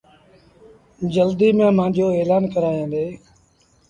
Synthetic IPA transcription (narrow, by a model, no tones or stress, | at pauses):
d͡ʒəld̪iːmẽːmãːd͡ʒʱoːeːlaːnkəɾaːjãːnd̪eː